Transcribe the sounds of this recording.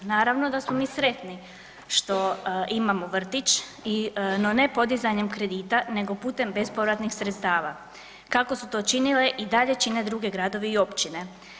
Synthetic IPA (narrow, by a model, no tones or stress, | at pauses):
naːɾaʋno̞d̪asmomiːsɾe̞t̪ni | ʃt̪o̞imamoʋr̩t̪it͡ʃ | ino̞ne̞po̞d̪izaɲe̞mkɾe̞d̪iːt̪ane̞ɡo̞puːt̪e̞mbe̞spo̞ʋɾat̪nixsɾet̪st̪aːʋa | kako̞sut̪o̞t͡ʃinile̞ʔid̪aʎe̞t͡ʃine̞d̪ɾuɡe̞ɡɾad̪o̞ʋiio̞pt͡ɕine̞